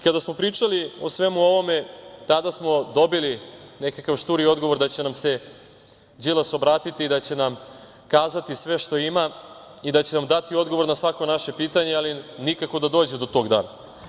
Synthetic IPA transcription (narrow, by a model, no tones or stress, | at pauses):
kad̪asmo̞pɾiːt͡ʃalio̞sʋe̞muo̞ʋo̞me̞t̪ad̪asmo̞d̪o̞biline̞kakaʋʃt̪uːɾio̞d̪ɡo̞ʋo̞ɾd̪at͡ɕe̞namse̞ | d͡ʑilaso̞bɾaːt̪it̪iːd̪at͡ɕe̞nam | kaːzat̪isʋe̞ʃt̪o̞imaid̪at͡ɕe̞namd̪at̪io̞d̪ɡo̞ʋo̞ɾnasʋako̞naʃe̞piːt̪aɲealinikako̞d̪ad̪o̞ːd͡ʑed̪o̞t̪o̞ːɡd̪a̰ːna